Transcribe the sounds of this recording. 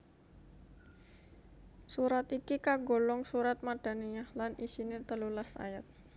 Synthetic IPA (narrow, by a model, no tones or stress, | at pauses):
suɾat̪ikikaɡolɔŋsuɾat̪̚maɖ̥a̤neɲahlanisinet̪əlulasa̰jat̪̚